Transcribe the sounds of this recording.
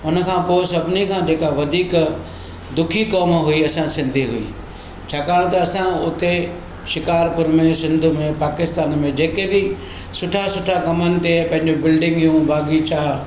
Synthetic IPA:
ʊnə̆kʰãːpoːɪsɐbʱɪnikʰãːd͡ʑeːkaʋɐd̪ʱiːk | d̪ʊkʰikɔːmɦʊiɐsãsɪ̃nd̪ʱiɦʊḭː | t͡ɕʰaːkaːɽ̃t̪ɐːsãʊt̪e | ʃɪkaːɾpʊɾmẽsɪ̃nd̪ʱʊ̆mẽpaːkɪst̪aːnmẽd͡ʑeːkebɪ | sʊʈʰasʊʈʰakɐmənɪ̆t̪epɐ̃ɦɪ̃ɲd͡ʑobɪlɖɪ̃ŋɡjũbaːɡit͡ɕaː

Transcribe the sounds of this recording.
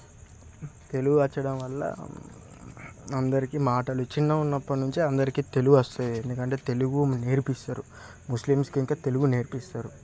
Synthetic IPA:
t̪e̞luɡuɐt͡ʃːɐɽɐmʋɐlːɐ̰ | ɐnd̪ɐɾikimaːʈɐlut͡ʃinːɐunːɐpːɐnuɲt͡ʃiɐnd̪ɐɾikit̪e̞luɡuɐst̪uːd̪iend̪ukɐɳʈe̞ːt̪e̞luɡune̞ːɾipist̪aːɾu | muslimskiŋkaːt̪e̞luɡune̞ːɾpist̪aːɾu

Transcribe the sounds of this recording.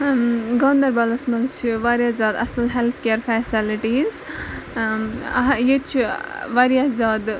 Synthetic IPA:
ɡond̪ɐɾbɐlɐsmɐlt͡ʃʰiʋaɾjazʲaːd̪ɐ̰sɨlɦelt̪ʰkeɾfɛːsiliʈiːz | jet͡ʃʰiʋaɾijazʲaːd̪

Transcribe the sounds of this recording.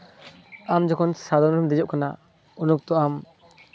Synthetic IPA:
amd͡ʒɔkʰɔnsad̪ɔnɾumd̪ɛd͡ʒɔʔkana̰ | unuk̚t̪ɔam

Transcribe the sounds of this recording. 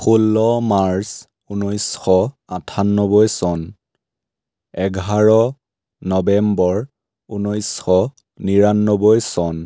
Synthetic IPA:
xulːɔmaɹs | unɔjsxɔ | atʰanːɔbɔjsɔn | ɛɡʱaɹɔ | nɔbɛmbɔɹ | unɔjsxɔ | niɹanːɔbɔjsɔn

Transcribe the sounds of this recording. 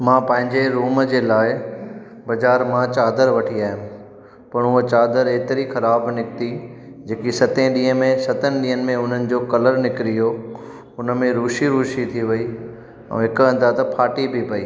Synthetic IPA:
mãːpɐ̃ɦɪ̃ɲd͡ʑeɾuːməd͡ʑeːlaːɪ | bɐd͡ʑaːɾmãt͡ɕaːd̪əɾʋɐʈʰiaːɦɪjʊ̃ | pɐɳ̃ʊɦət͡ɕaːd̪əɾeːt̪ɪɾixɐɾaːbnɪkt̪i | d͡ʑeːkisɐt̪ẽɗĩːɦəmẽsɐt̪ənɪ̆ɗĩːɦənɪ̆mẽʊn̤ənɪ̆d͡ʑoːkɐləɾnɪkɪɾijo | ʊnəmẽɾuːʃiɾuːʃit̪ʰiʋɐi | ɛ̰̃ːɦɪkɐ̃nd̪aːt̪ɐpʰaːʈibʱipɐiː

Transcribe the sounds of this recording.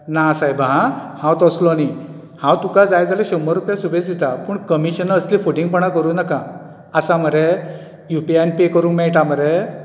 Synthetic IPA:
nasajbʱaɦãhãwt̪ɔslɔni | hãwt̪ukad͡zajd͡zaleɕɔmːəɾupjasubet͡sd̪it̪apuːɳkəmiɕənəslifoʈĩŋɡ̚pəɽakəɾunakã | əsaməɾe | jupianpekəɾũːŋkmɛɭʈaməɾe

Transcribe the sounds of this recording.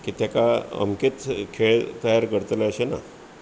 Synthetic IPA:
kit̪jakaə̰mket̪kʰeɭt̪əjaɾkəɾt̪leəɕena̰

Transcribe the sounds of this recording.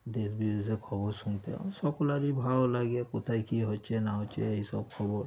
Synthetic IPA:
d̪esbibezekʰɔbɔɾsunt̪ʰea̰sɔkɔlaɾibʱawlaɡiekot̪ʰajkiɦot͡ʃʰenaɦɔt͡ʃʰḛeɦisɔb̚kʰɔbɔɾ

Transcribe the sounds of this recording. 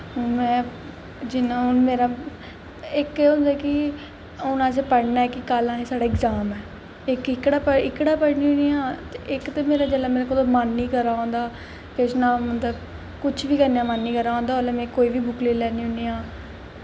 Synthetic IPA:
ʊnmɛ̃ː | d͡ʒɪnãːɦʊnmeːɾaː | ɪkɛʊ̃nd̪aːkɪ | ʊnãːseːpəɽnaːɛːkɪkaːlãːɦeːsaːɽaːɪkzaːmɛː | ɪkɪkːɽaːpəɪkːɽaːpəɽnĩːʊnijãːt̪eʔɪkt̪eːmeːɾaːd͡ʒəlaːmeːɾekolomanːiːkəɾaːõːnd̪aː | kɪsnãːmət̪ləb | kʊt͡ʃʰʋiːkəɾnejãːmanːiːkəɾaːõːnd̪aːolɛːmɛ̃ːkoːiːʋiːbʊkleːlɛːniːʊniːãː

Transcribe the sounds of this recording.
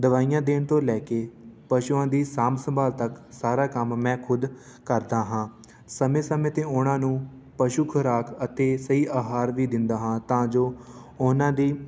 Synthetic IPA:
d̪əʋaːijãːd̪eːɳt̪õːlɛːkeːpəʃuːãːd̪iːsaːmsəmbaːlt̪əksaːɾaːkəmːɛ̃ːkʰʊd̪ | kəɾd̪aːɦãː | səmẽːsəmẽːt̪ẽːʊːnãːnũː | pəʃuːkʰəɾaːkʰət̪eːsəiːʔaːɦaːɾʋiːd̪ɪnd̪aːɦãːt̪ãːd͡ʒoːnãːd̪iː

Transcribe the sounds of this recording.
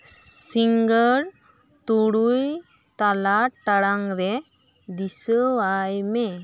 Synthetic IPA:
siŋɡəɾ | t̪uɽuj | t̪alaʈːaɽaŋɾe | d̪isəwajme

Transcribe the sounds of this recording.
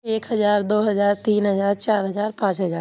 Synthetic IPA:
eːkɦɐzaːɾd̪oːɦɐzaːɾt̪iːnɦəzaːɾt͡ʃaːɾɦəzaːɾpãːt͡ʃɦəzaː

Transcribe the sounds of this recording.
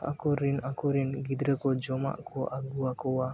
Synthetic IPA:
a̰kɔɾinakɔɾinɡid̪ɾəkɔd͡ʒɔma̰ʔkɔʔaɡuakɔwa

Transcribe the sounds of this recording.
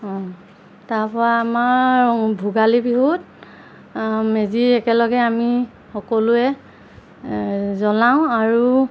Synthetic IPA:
ɔ̃ | taɹpɔɹaːmaɹbʱuɡalibiɦut̚ | meziɛkɛlɔɡɛami | xɔkɔlʊɛ | zɔlaʊ̃aɹu

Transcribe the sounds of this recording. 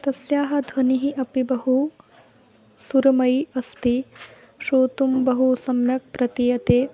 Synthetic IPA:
t̪ɐsjaːɦɐ̆d̪ʱʋɐniɦiʔɐpibɐɦu | suɾɐmɐjɐst̪i | ʃoːt̪umbɐɦusɐmjɐk̚pɾɐt̪ijɐt̪eː

